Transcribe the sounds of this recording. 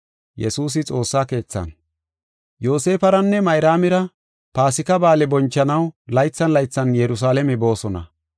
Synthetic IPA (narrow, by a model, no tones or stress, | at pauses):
jɛsuːs̬ɪt͡sʼo̞ːsːaːke̞ːt͡sːɐ̰n | jo̞ːse̞ːfɐɾɐnːɛmɐjɾaːmɪɾɐ | paːsɪkɐbaːlɛbɔnt͡ʃːɐnɐwlɐjt͡sːɐnlɐjt͡sːɐnjɛɾʊs̬aːlɛmɛbo̞ːsɔnɐ̰